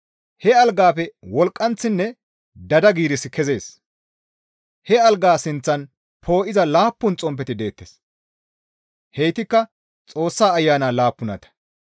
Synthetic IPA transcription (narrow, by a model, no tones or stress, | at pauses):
hɛɐlɡaːpɛwɔlkʼːɐnt͡sːɪnːɛ | d̪ɐd̪ɐɡiːd̪ɪsɪkʰɛze̞ːs | hɛɐlɡaːsɪnt͡sːɐn | pʰo̞ːʔɪzɐlaːpːʊnt͡sʼɔmpːɛt̪ɪd̪e̞ːt̪ːes | hejt̪ɪkːɐ | t͡sʼo̞ːsːaːɐjːaːnaːlaːpːʊnɐ̰t̪ɐ̥